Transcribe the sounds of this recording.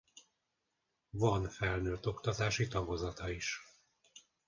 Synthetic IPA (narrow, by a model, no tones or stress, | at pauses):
vɒnfɛlnøːt̪o̞kt̪ɒt̪aːʃit̪ɒvozɒt̪ɒiʃ